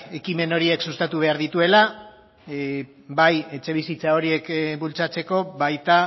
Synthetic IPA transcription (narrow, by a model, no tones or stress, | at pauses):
e̞kime̞no̞ɾie̞ksust̪at̪uβ̞e̞aɾðit̪ue̞la | baje̞t͡ʃe̞β̞isit͡sao̞ɾie̞kbult͡sat͡se̞ko̞βajt̪a